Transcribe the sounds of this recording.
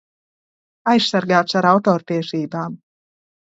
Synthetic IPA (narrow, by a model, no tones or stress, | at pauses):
ajssaɾɡaːt̪saɾawt̪ɔːɾpiɛʃiːbaːm